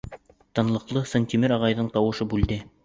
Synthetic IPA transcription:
t̪ɤ̆nlˠɤ̆qlˠɤsonʲt̪ʲimɘɾɑʁɑjðɤɴt̪ɑwɤ̆ʃɤbʉld̪ɘ

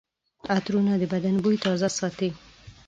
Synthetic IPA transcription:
at̪ɾunad̪əbad̪anbujt̪ɑzasɑt̪i

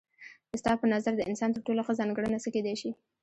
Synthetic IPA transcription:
d̪̥əst̪ɑpənazaɾd̪əɪnsɑnt̪əɾʈoloxəzɑŋɡəɽənasəked̪ejʃi

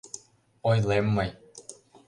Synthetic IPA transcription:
ojlemːəj

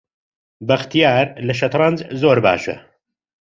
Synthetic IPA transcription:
bɐxt̪ijaːɾlɐʃ̬ɐt̪ɾˤɐnzzoːɾba̰ːʃɐ̰

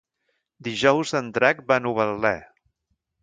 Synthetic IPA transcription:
d̪iʒɔwzənt̪ɾak̚banuβəlːɛ

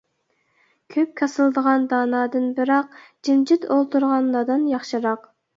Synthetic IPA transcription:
kʲʰøp̚kʲʰɑsɨlˠd̪əʁɑnd̪ɑːnɑːd̪ɨnbɨɾɑqd͡ʒind͡ʒɪt̪ʰolˠt̪ʰuɾʁɑnlˠɑd̪ɨnjɑχʃɨɾɑq

